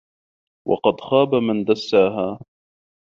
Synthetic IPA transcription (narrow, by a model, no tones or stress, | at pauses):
wʔɑ̰qɑd̪xaːbamand̪asːaːɦaː